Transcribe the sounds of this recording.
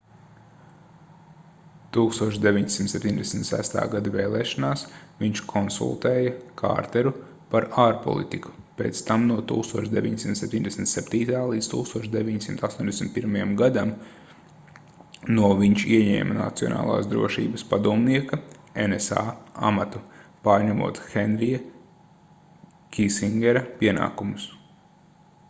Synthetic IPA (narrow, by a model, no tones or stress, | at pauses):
t̪uːkst̪uɔt͡ʃʃd̪eʋʲiɲsimt̪sepʲt̪iɲʲd̪ʲesʲm̩t̪sæ̰st̪a̰ːɡad̪aveːlˠɛːʃanaːsviɲt͡ʃkʰɔnsṵlˠt̪eːjɐkʰa̰ːɾt̪ɛɾu | paɾaːɾpɔ̰lˠḭt̪iku̥peːt̪st̪amnuɔt̪uːkst̪uɔt͡ʃʃd̪eʋʲiɲsimt̪sep̚ʲt̪ʲiɲʲd̪eɛsʲm̩ʲt̪sɛpʲt̪iːt̪aːlˠiːd̪st̪uːkst̪uɔt͡ʃd̪eʋʲiɲsimt̪ast̪oːnʲd̪esm̩ʲit̪̚piɾmajamɡad̪am | nuɔviɲʃiɛɲɛ̰ːmana̰t̪siɔ̰na̰ːlˠa̰ːsd̪ɾṵɔʃḭːbɐspad̪uɔmniɛkɐenesa̰ːa̰mat̪upaːɾɲamṵɔt̪xɛnɾija | kʲisiŋɡʲɛɾɐpiɛna̰ːkumus